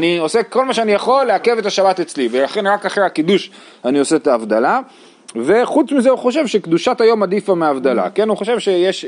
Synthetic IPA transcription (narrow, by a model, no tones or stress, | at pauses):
nio̞se̞ko̞lmaʃeanijaχo̞lːeake̞vet̪aʃabat̪et͡slivelaχe̞nʁakaχʁehakid̪uʃ | anio̞set̪aːvd̪ala | ve̞χut͡smizeuχo̞ʃe̞vʃe̞kd̪uʃat̪ajo̞mad̪ifameaːvd̪ala̰ke̞nuχo̞ʃe̞vʃe̞jeʃ